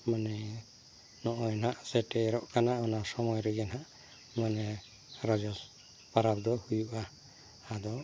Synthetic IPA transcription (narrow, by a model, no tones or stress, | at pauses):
manɛ | nɔʔɔjnhaʔsɛʈɛːɾɔʔkanaʔɔnasɔmɔjɾɛɡɛnɦaʔ | manɛ | ɾɔd͡ʒɔl | paɾap̚d̪ɔhujuʔaː | d̪ɔ